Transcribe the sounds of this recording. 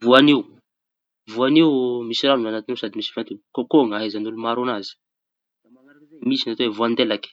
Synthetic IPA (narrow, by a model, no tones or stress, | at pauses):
vuaniu | vuaniwmisiɾanunanat̪iniwsad̪imisi̥vant̪ukokoŋaizanulumaɾonazi̥ | lamaŋaɾnemisinat̪owevuand̪elak